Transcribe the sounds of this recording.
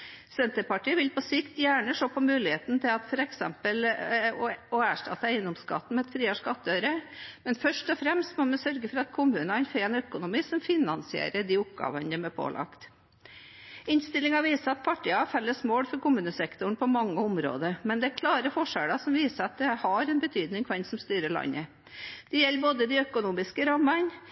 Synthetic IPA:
sɛnt̪əɾpɑʈiːəʋɪlpɔsɪkt̪jæːɳəʂoːpʰɔmʉːlɪheːt̪n̩t̪ʰɪlɑt̪fɔɾɛksɛmpəl | ɔæːʂʈɑ̰t̪ːəæɪənd̪ɔmskɑ̰t̪ːn̩mɛɛt̪fɾiːɑʂkɑt̪ːœʏɾəmɛnfœʂʈɔfɾɛmst̪mɔmɛsœɾɡəfɔɾɑt̪kʰʊmʉːnɑɑnfɾeɛnœkʊnʊmiːsɔmfɪnɑnsɪḛːɾəd̪iːʊpɡɑ̰ːʋənd̪ɛmɛpʰo̰ːlʔɑ̰kt̪ | ɪnst̪ɪlːɪŋɑʋiːsəɑt̪̚pʰɑʈːɪɑfɛlːəsmoːlfɔɾkʊmʉːnəsɛkt̪ʊɳ̩pʰɔmɑŋːəʊmɾo̰ːd̪əɾmɛnd̪ɛæɾkʰlɑːɾəfɔʂæɽɑsɔmʋiːsəɑt̪̚d̪ɛhɑɾɛnbət̪ʰyːd̪nɪŋkʰʋɛnsɔmst̪yːɾəɭɑ̰ɲːə | d̪̥ɛjɛlːboːd̪əd̪ɪœkʊnuːmɪskəɾɑmːɑn

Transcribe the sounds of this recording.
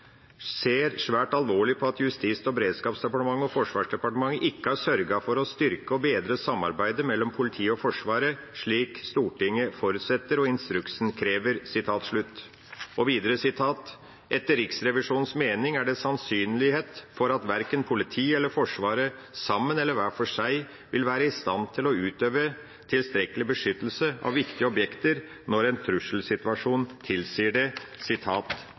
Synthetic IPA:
seːɾʂʋæːʈɑlʋoːɭɪpʰɔɑt̪jʉst̪iːsɔbɛɾeːd̪skɑːpsd̪ɛpɑʈəmɑŋːɔfɔʂʋɑːʂɖɛpɑʈəmɑŋːəʔɪkːəhɑsœɾɡɑfɔɾɔst̪ʏɾkəɔbeːd̪ɾəsɑmːɑ̰ɾbæɪd̪əmɛlːɔmpʰʊlɪt̪ʰiːəɔfɔʂʋɑːɾə | ʂɭiːkst̪uːʈɪŋːəfɔɾʉt̪sɛt̪ːəɾɔɪnst̪ɾʉksnkʰɾeːʋəɾsɪt̪ʰɑːt̪ʂɭʉt̪ː | ɔʋiːd̪əɾəsɪt̪ʰɑːt̪ | ʔɛt̪ːəɾɪksɾɛʋɪʂuːnn̩smeːnɪŋæɖɛsɑnsyːnlɪheːt̪fɔɾɑt̪ʋæɾkənpʰʊlɪt̪ʰiːɛlːəfɔʂʋɑːɾə | sɑmːənɛlːəɾʋæːfɔʂæɪ | ʋɪlʋæːɾəɪst̪ɑnt̪ʰɪlɔʉːt̪øːʋə | t̪ʰɪlst̪ɾɛkəlɪbəʂʏt̪ːəl̩səɑ̰ʋːɪkt̪ɪəɔbjɛkt̪əɾ | nɔɾɛɪnt̪ʰɾʉʂl̩sɪt̪ʉʋɑʂuːnt̪ʰɪlsiːɖɛsɪt̪ʰɑːt̪

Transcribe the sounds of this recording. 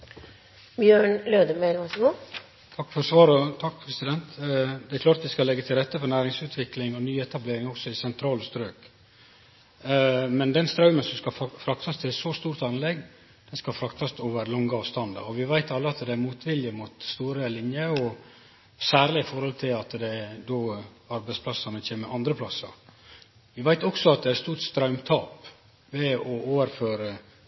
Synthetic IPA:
bjøːɳløːd̪əmelʋɑsɡoː | t̪ʰɑkːfɔɾsʋɑːɾɔt̪ʰɑk̚pʰɾɛsɪd̪ɛnt̪d̪ɛæɾkʰlɑːɾt̪ʋɪskɑlɛɡːət̪ʰɪlɾɛt̪ːəfɔɾnæːɾɪŋsʉːt̪ʰʋɪklɪŋɔnyːɛt̪ɑbleːɾɪŋɔksɔɪsɛnt̪ʰɾɑːləst̪ɾøːk | mɛnd̪ɛnst̪ɾɑʉmənsɔmskɑfɾɑkt̪ʰɑst̪ʰɪlsɔst̪uːɾt̪ɑnlɛɡ | d̪̥ɛnskɑfɾɑkt̪ʰɑst̪oːʋəɾlɔŋɡəɑːʋst̪ɑnd̪ɑ̰ɔʋɪʋæɪt̪ɑlːəɑt̪d̪ɛæmuːt̪ʋɪljəmuːt̪st̪uːɾəlɪnjəɔ | sæːɾlɪɪfɔɾhɔlt̪ʰɪlɑt̪d̪ɛd̪oː | ɑɾbæɪspʰlɑsɑnət͡ʃʰeːməʔɑnd̪ɾəpʰlɑsə̰ɾ | ʋɪʋæɪt̪ɔksɔɑt̪̚d̪ɛæɾst̪uːɾʈst̪ɾɑʉmt̪ʰɑːp | ʋɛɔoːʋəɾføːɾə

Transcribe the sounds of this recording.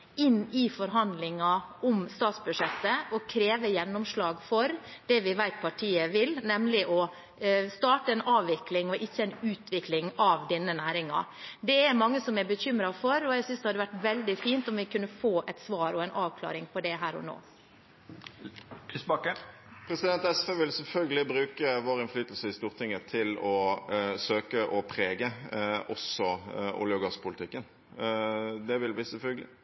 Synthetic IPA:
ɪnːɪfɔɾɦɑnd̪lɪŋɑʔɔmst̪ɑːt̪sbʉdʂɛt̪ːəɔkʰɾeːʋəjɛnːʊmʂlɑːɡfɔɾd̪̥ɛʋɪʋæɪt̪̚pʰɑʈʰiːəʋɪlnɛmlɪʔɔ | st̪ɑːʈəɛnʔɑːʋːɪklɪŋɔʔɪçːəæɪnʉːt̪ʋɪklɪŋɑʋd̪ɛnːənæːɾɪŋɑ̰d̪ɛæɾmɑŋːəsɔmɛɾbəçʏmɾɑfɔɾɔɛɡsʏnsd̪ɛhɑd̪əʋæʈːʋɛld̪ɪfiːnt̪ɔmʋɪkʰʉnːəfoːʔɛt̪sʋɑːɾɔɛɪnʔɑːʋkʰlɑ̰ːɾɪŋpʰɔd̪ɛɦæːɾɔ̰no̰ː | ɪsbɑkə | pʰɾɛsɪd̪ɛnt̪ɛsfeːʋɪlsɛlfœlɡəlɪbɾʉːkəʋoːʁəɪnflyːt̪lsəɪst̪uːʁt̪ʰɪŋːət̪ʰɪlɔsøːkəʔɔpʰɾeːɡəʔɔsɔṵːljəʊɡɑspʰʊlɪt̪ʰɪkːən | d̪ɛʋɪlb̪iːsɛfœlɡəlɪ̰

